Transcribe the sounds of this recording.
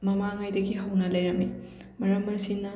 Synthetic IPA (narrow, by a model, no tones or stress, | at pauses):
mɐmaŋajdɐɡiɦɐwnɐlɐjɾɐmi | mɐɾɐmːɐsinːɐ